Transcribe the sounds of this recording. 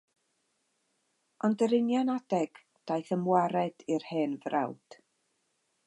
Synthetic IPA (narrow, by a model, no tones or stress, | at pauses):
ɔndəɾɪnjanad̥ɛɡ̥ | d̥ajθəmwaɾɛd̥ɪrheːnvra̰wd̥